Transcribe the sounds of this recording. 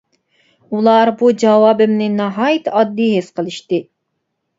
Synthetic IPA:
ulˠɑɾbud͡ʒɑwɑːbɪmnɪnɑɦɑjt̪ɑd̪ːiɦesqəlˠɨʃt̪ɨ

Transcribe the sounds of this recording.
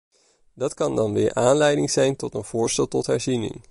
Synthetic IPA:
dɑtkɑndɑnʋɪ̰ːɹʔaːnlɛjdɪŋz̥ɛjntɔtənv̥ʊːɹstɛlˠtɔtɦɛɹzinɪ̰ŋ

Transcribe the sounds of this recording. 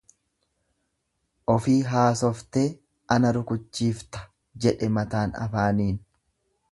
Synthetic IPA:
ʔɔfiːɦaːsɔft̪eː | ɐnɐɾʊkʊt͡ʃːiːft̪ɐ̥ | d͡ʒɛᶑɛmɐt̪aːnɐ̰faːniːn

